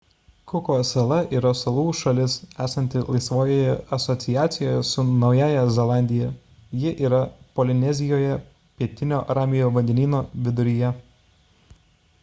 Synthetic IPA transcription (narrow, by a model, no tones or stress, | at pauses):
kʊkoːsɛlˠɐʔiːɾɐsɐlˠuːʃɐlʲɪsæːsɐnʲt̪ʲɪlˠɐɪsʋoːjoːjɛɐsɔt̪sʲɪjæːt̪sʲɪjoːjɛsʊnɒʊjæːjɛzʲɛlˠɑˑnʲd̪ʲɪjɛ | jɪʔiːɾɐpɔlʲɪnʲɛzʲɪjoːjɛ | pʲiɛt̪ʲɪnʲoːɾɑːmʲɪjoːʋɐnʲd̪ʲɛnʲiːnoːʋʲɪd̪ʊɾʲijɛ